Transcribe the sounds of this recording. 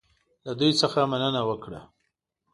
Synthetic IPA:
lad̪ujsəxamanənawəkɽa̰

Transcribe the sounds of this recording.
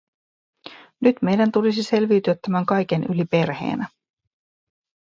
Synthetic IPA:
nyt̪me̞jdænt̪ulisise̞lʋiːt̪yæt̪ːæmæŋkɑjk̟e̞nylipe̞rhe̞̰ːnæ

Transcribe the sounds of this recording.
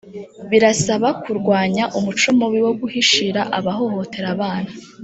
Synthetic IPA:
βiɾasaβakuɾɡwaːɲaʔumut͡ʃo̞mowiwo̞ɡuhiʃiɾaʔaβaɦo̞ho̞te̞ɾaβaːna

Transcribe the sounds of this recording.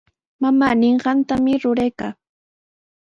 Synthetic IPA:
mamaːnɪɴɢɑnt̪amɪɾʊɾajkaː

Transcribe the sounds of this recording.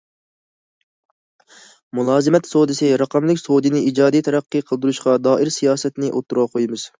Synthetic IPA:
mulˠɑːzɨmɛt̪sowd̪ɨsɨɾɑqɑmlɪkʲsod̪ɨnɪid͡ʒɑːd̪ijt̪ʰɛɾæqːɨqʰəlˠd̪uɾuʃqɑd̪ɑːʔɪɾsijɑːsɛt̪nɪʔo̰t̪ːuɾʁɑqʰojmɨz̥

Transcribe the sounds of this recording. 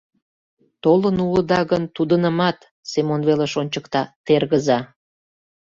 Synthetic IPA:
t̪olənuləd̪ɑɣənt̪ud̪ənəmɑt̪ | semonβeleʃonʲt͡ɕəkt̪ɑt̪erɣəzɑ

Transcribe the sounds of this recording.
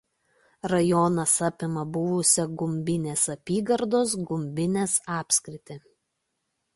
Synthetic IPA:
ɾɐjɔnɐsɐpʲɪmɐbʊʋʊsʲɛɡʊmʲbʲɪnʲeːsɐpʲiːɡɐɾd̪oːs̬ɡʊmʲbʲɪnʲeːsɑːpʲsʲkɾʲɪt̪ʲɪ

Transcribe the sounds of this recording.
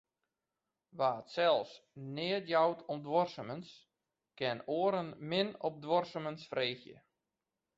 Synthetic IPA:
ʋaːətsɛlˠsnɪətjawtʰɔmdʋɔrsəməns | kɪnoəɾənmɪnɔp̚dwɔrsəmənsfreːxjə̰

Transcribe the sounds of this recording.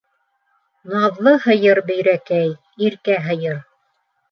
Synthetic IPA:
nɑðlˠɤhɤ̆jɤɾbɘ̆jɾækæj | iɾkæɦɤ̆jɤɾ

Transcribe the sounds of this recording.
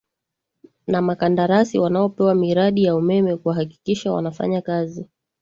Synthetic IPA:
namakandaɾasiwanaɔpɛwamiɾaɗijaumɛmɛkuahaki̥kiʃawa̰nafa̰ɲakazi

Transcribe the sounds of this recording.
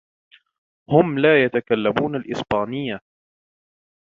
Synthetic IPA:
hʊmlaːjat̪akalːamuːnalʔɪsbaːnɪjːa

